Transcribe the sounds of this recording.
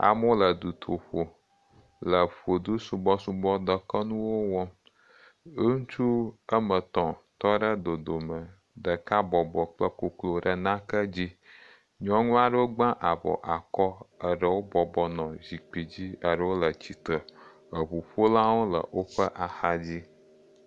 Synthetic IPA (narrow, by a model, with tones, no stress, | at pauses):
a̰˨mɔ̃˦lə˨d̪u˨t̪ʰo˨ɸo˨ | lə˨ɸo˨d̪u˦su˨bɔ˦su˦bɔ˦d̪ə˨kə˦nũ˦wo˦wɔ̃˦ | ŋũ˦t͡ʃu˦ə˦mə̃˨t̪ɔ̃˨t̪ɔ˦ɖə˦d̪o˨d̪o˨mə˨ | ɖə˨ka˦bɔ˨bɔ˨k͡plə˦ko˨klo˨ɖə˨nã˦kə˦d͡ʑi˦ | ɲɔ̃˦ŋũ˦a˨ɖə˦wo˦ɡ͡bã˦ʔa˨bɔ̰˨ʔa˨kɔ˦ə˨ɖə˨wo˦bɔ˨bɔ˨nɔ̃˨zi˨k͡pi˨d͡ʑi˦ə˨ɖə˦wo˦lə˨t͡ɕi˨t̪ə˨ | ə˨ɸu˨ɸo˦la˦wo˦lə̰˨wo˦ɸə˦ʔa˨xa˦d͡ʑi˦